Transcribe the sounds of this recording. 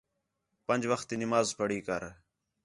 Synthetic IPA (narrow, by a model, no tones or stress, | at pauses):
pənd͡ʒʋəxt̪iːnɪmaːzpʰəɽiːkəɾ